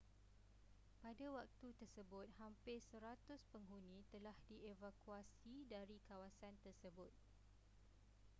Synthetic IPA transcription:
padawak̚t̪ut̪ərsəbʊt̪̚hampɪsəɾat̪ʊspəŋɦunĩt̪əlahdievakuasidaɾikawasant̪ərsəbʊt̪̚

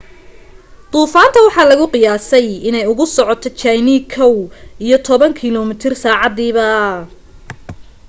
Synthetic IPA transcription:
t̪uːfaːnt̪ʰɐwɑħɑːlɐɣʊqɪjaːsɛjɪnɛjʊɣʊsɔʕɔt̪ʰɔt͡ʃajniːkʰɐwijɞt̪ʰɔβɐŋkʰɪlɔmɪt̪ʰɪrsaːʕɑd̪iːβɐ

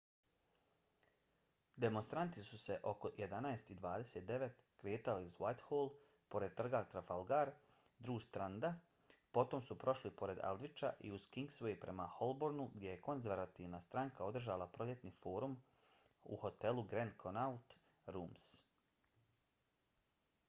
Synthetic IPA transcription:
d̪e̞monst̪ɾant̪isuse̞ʔo̞ko̞je̞d̪anaest̪id̪ʋaːd̪e̞se̞t̪̚d̪e̞ʋe̞t̪kɾe̞ːt̪aliuzwajt̪hoːlˠ | po̞ɾed̪̚t̪r̩ɡat̪ɾafalˠɡaɾ | d̪ɾuːʃt̪ɾand̪a | po̞t̪o̞msupɾo̞ʃlipo̞ɾe̞d̪a̰lˠd̪ʋit͡ʃa̰ʔḭuz̥kiŋɡsʋojipɾe̞̰maho̞lˠboɾnuɡd̪ʲje̞je̞ko̞nzʋeɾat̪iʋnast̪ɾaŋkao̞d̪r̩ʒalˠapɾo̞ljet̪nifo̞ːɾum | ṵho̞t̪e̞luɡɾend̪kʰonaut̪ | ɾuːms

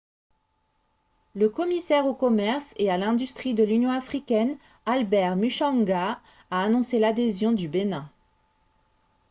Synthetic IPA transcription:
ləkɔmisɛʁokɔmɛʁsealɛ̃d̪yst̪χid̪əlynjɔ̃afχikʲɛn | albɛʁmyʃɑ̃ŋɡaː | nɔ̃selad̪ezjɔ̃d̪ybenɛ̃

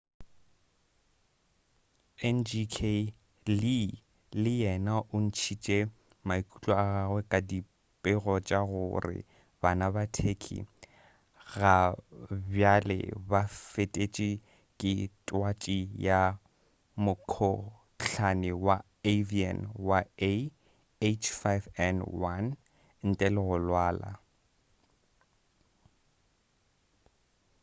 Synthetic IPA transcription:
ɛnd͡ʒikʰe | li | lɪjɛnaʔʊn̩t͡ʃʰit͡ʃʼɛ | maikʼut͡ɬʼɔaɣaɣwɛkʼadi | pʼɪɣɔt͡ʃʼaɣʊrɪ̰ | b̥anabatʰekʰḭ | ɣa | bjalɛ̰bafetʼet͡ʃʼi | kʼɪtʼwat͡ʃʼija | mʊkʰɔ | ɬʰanɪwa | evia̰nwae | et͡ʃʰfajvɛnwan | n̩tʼalɪɣʊlwaːla̰

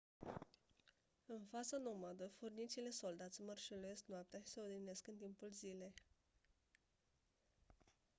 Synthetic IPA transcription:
ɨnfat̪sano̞mad̪əfurnit̪sile̞so̞ld̪at̪sʲmərʃeluesknoap̚t̪ease̞od̪ine̞skɨnt̪impulzile̞

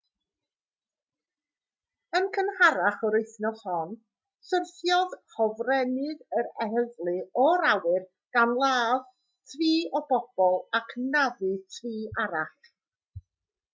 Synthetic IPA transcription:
ənkʰənhaɾaχɔɾɪɨθnɔshɔn | sərθjɔðhɔvrɛnɨðəɾɛhəðlˠɨɔɾawɨr | ɡ̥anlˠaːð | tʰriːɔb̥ɔb̥ɔlˠakʰnaðɨtʰriːʔaɾaχ

